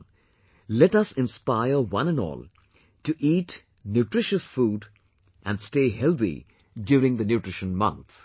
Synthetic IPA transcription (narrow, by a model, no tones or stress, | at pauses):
lɛʈʌsɪ̃nspaɪəwʌ̃nɨ̃nɔ̰ːl | tuʔiːʈ | njuʈɾɪʃəsfuːɖ | ʔæ̃nsteːhɛlt̪ḭ | djuːɾɪ̃ŋðənjuʈɹɪʃə̃nmʌ̰̃nt̪